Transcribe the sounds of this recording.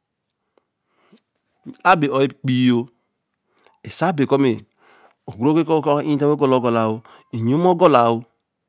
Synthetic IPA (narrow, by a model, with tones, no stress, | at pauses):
a˦be˨o˨i˦˨k͡pi˦jo˦ | e˨sa˦be˨ko˦me˨ | o˨ɡo˦ke˦ko˦ki˦ta˦e˦ɡo˦lo˨˦ɡo˨la˨u˦ | i˨ɲo˦m˦o˦ɡo˦la˨wu˦